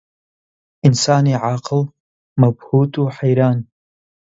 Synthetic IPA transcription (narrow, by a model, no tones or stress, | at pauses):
ɪnsaːniʕaqəl | mabhuːtʰʼuħajɾaːn